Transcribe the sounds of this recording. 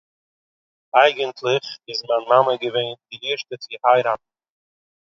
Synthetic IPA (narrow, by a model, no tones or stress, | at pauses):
aɪɡəntʰlˠɪχɪzmanmaməɡəveɪndɪiʃtət͡sihaɪɾatn̩